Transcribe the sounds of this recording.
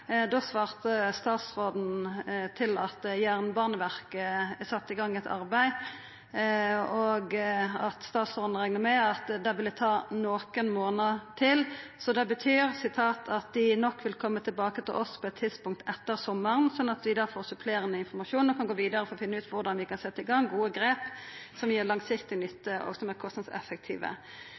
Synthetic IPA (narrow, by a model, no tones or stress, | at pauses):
d̪osʋɑːʁt̪əst̪ɑːt̪sʁoːd̪n̩t̪ʰɪlɑt̪jæːʁnbɑʁnəʋæʁkəæsɑt̪ːɪɡɑŋːɛt̪ʰɑ̰ɾbæɪ | ɔɡɑt̪st̪ɑːt̪sʁoːd̪n̩ɾæɪŋnəmɛɑt̪d̪ɛʋɪld̪æt̪ʰɑːnoːkənmoːnət̪ʰɪlsɔd̪ɛbət̪ʰyːɾsɪt̪ʰɑːt̪ʰɑt̪̚d̪ɪnɔkːʋɪlkʰɔmːət̪ʰɪlbɑːkət̪ɪlʔɔspʰɔɛt̪ʰːɪd̪spʊŋkt̪ʰɛt̪ːəɾsɔmːəɾənsɔnːɑt̪ʋɪd̪ɑːfoːʁsʉpʰleːɾənəɪnfɔɾmɑʃuːnɔkʰɑnɡoːʋiːd̪əɾəfɔɾɔfɪnːəʉːt̪ʋʊɾd̪ɑnʋɪkɑnsɛt̪ːəɪɡɑŋːɡuːəɡɾeːpsɔmjiːɾlɑŋsɪkt̪ɪnʏt̪ːəɔ̰ɡsɔmækʰɔst̪ɑd̪sɛ̰fːək̚t̪ʰḭːʋə̰